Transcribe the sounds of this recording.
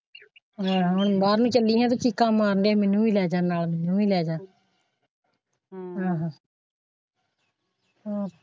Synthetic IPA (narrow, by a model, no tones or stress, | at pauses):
ɦãːɦʊɳbaːɾnũːt͡ʃəlːiːɦɛ̃ːt̪oːt͡ʃikːãːmaːɾnd̪eɛ̃ːmɛnũːʋiːlɛːd͡ʒaːnaːlmɛnũːʋiːlɛːd͡ʒaːn | ɦãːɦãː | oː